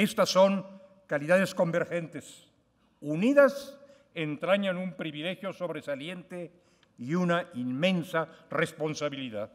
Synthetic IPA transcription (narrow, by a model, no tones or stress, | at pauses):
e̞st̪asːo̞ŋ | kaliðaðe̞sko̞mbe̞ɾxe̞nt̪es | uniðas | ent̪ɾaɲanumpɾiβile̞xjo̞so̞βɾesalje̞nt̪e | iunainmẽ̞nsarespo̞nsaβiliða